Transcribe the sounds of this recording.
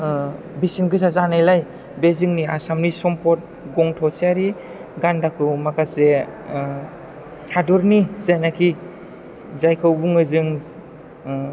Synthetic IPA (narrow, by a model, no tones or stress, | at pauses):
bisimɡɯs̬azanajlaj | bezɯŋnia̰samnisɔmpʰɔt̚ | ɡɔŋtʰɔsiaɾi | ɡandakʰɯwmakʰase | hadɔɾnizajnakʰi | zajkʰɯwbuŋɯzɯŋ